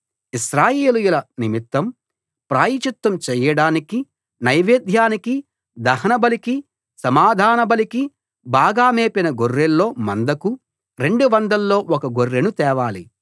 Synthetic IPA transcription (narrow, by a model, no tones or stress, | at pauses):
iʃɾaːjeːlujulɐnimit̪ːɐm | pɾaːjit͡ʃut̪ːɐmt͡ʃɛːjɐɽaːniki | nɐjʋeːd̪ʱjaːniki | d̪ɐhɐnɐbɐliki | sɐmaːd̪ʱaːnɐbɐliki | baːɡaːmeːpinɐɡorːelːo̞ːmɐnd̪ɐku | ɾe̞ɳɖuʋɐnd̪ɐlːo̞ːʔɔkɐɡorːenut̪ɛːʋaːlḭ